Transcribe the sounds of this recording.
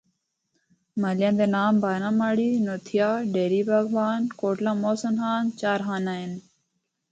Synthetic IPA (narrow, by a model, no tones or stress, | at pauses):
məljãːnd̪eːnaːmbaːɾãːmaːɽiːnoːt̪ʰɪjaːɖeːɾiːbʱaɡʋaːnkoːʈlãːmoːsənɦaːnt͡ʃaːɾɦaːnaːɪn